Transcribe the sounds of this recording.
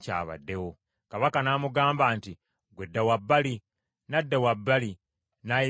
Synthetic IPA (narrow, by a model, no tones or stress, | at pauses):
ca̰ːβa̰dːe̞wo | kaβakanaːmuɡaːmbaːnti | ɡwedːawabːali | nadːewabːali | naj